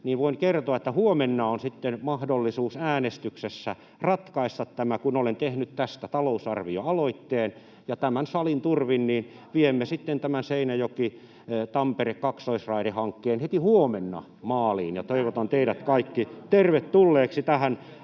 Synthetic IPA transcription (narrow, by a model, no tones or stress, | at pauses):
niːʋoiŋkert̪oɑet̪ːæhuomenːɑonsit̪ːenmɑhdolːisuːsæːnest̪yksesːæ | rɑt̪kɑist̪ɑt̪tæmækunolent̪ehnyt̪t̪æst̪æt̪ɑlousɑrʋioɑloit̪ːeːn | jɑt̪æmænsɑlint̪urʋinniːn | ʋiemːesit̪ːent̪æmænseinæjoki | t̪ɑmperekkɑksoisrɑiɾehɑŋkːeːnhet̪ihuomenːɑ̰ | mɑːliːnjɑt̪oiʋot̪ɑnt̪eiɾæt̪kɑikːit̪erʋet̪t̪ulːeːksit̪æhæn